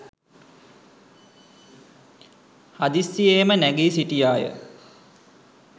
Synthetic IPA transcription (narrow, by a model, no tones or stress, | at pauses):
had̪isːieːmənæɡeːsiʈijaːjə̰